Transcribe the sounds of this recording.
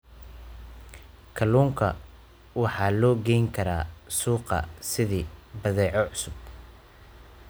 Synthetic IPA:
kʰɐluːŋkʰɐ̰ | wɑħɑːlɔːɡɛjŋkʰɐɾa̰ːsuːqɐ̰sɪðiːbɐðɛːʕɔʕʊsʊb̚

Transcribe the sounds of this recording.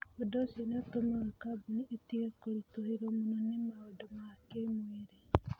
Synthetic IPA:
odosenetomaekabuniʔːtiekoɾitoheɾomononemaodomakemweɾe

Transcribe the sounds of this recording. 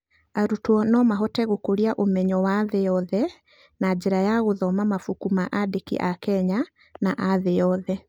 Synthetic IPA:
aɾutwɔnɔmaɦɔtɛɣokoɾiaʔomɛɲɔwaðeɔðɛ | nad͡ʒeɾajaɣoðɔmamafukumaʔadekḭʔakɛɲa | naʔaðejɔðɛ

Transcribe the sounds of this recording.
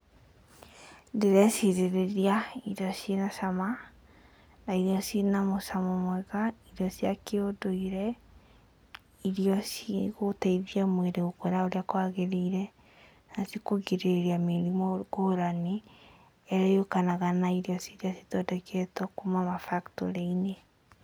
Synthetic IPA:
ndeɾɛsiɾeɾeɾiaiɾiɔsienasama | naiɾiɔsinamosamɔmwɛɣaiɾiɔsiakeodoiɾɛ | iɾiɔsiɣotaiðiamweɾeɣokɛɾaoɾeakwaɣeɾeiɾɛ | nasikoɣeɾeɾiameɾimɔɣoɾane | ɛɾɛokanaɣanaiɾiɔsiɾiasi̥tɔdɛkɛtɔkumamafaktɔ̰ɾeine

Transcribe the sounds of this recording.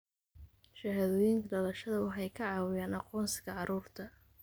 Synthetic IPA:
ʃɐɦɐðɔːjɪŋkʰɐɖɐlɐʃɐðɐwɑħɑjkʰɐʕɑːwɪjaːnɑqɔːnsɪɣɐʕɑɾuːrt̪ʰɐ

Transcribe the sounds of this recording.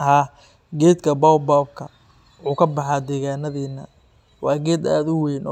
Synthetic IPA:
haː | ɡɛːd̪kʰɐbɔwbɔwb̚kʰɐ | ħuːkʰɐbɑħɑːd̪ɛːɣaːnɐðiːnɐ̰ | wɑːɡɛːd̪aːd̪ʊwɛjnɔː

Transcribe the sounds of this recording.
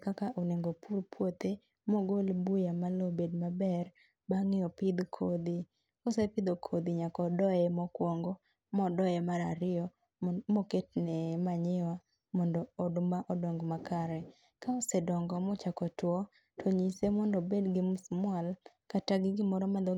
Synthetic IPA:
kakaʔoneŋɡopuɾpwot̪e | mɔɡolbujamalɔbedmabɛr | baŋɪɔpɪd̪kʰod̪i | kɔsepɪd̪okʰod̪iɲakɔdɔjɛmɔkwɔŋɡɔ | mɔdɔjɛmaɾaɾɪɔ | mɔketnɛmaɲɪwa | mɔndɔːdmaʔɔdɔŋɡmakaɾɛ | kaɔsɛdɔŋɡɔmɔt͡ʃakɔtwɔ | tʰɔɲisemɔndɔbedɡɪmsmwal | kataɡɪɡɪmɔɾɔmad̪ɔ

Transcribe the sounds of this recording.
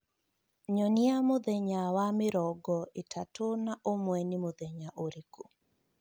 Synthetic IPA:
ɲɔniamod̪eɲawamɪɾɔɡɔetʰatʰonaʔomwɛnimod̪eɲaʔoɾiko

